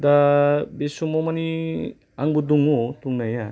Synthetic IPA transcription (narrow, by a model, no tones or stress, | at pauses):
dabesumɔmani | aŋbuduŋotuŋnaja